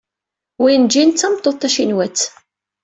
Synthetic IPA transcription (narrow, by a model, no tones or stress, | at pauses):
wijənd͡ʒint͡sːæmt̪ˤːoðt̪ːæʃinwæt͡sː